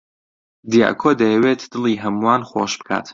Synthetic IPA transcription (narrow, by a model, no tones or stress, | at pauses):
d̪ija̰ːkʰod̪ɐjɛwet̪d̪̥ɨlˠiːɦɐmuwaːnχo̰ʃb̥ɨ̥kʰa̰ːt̪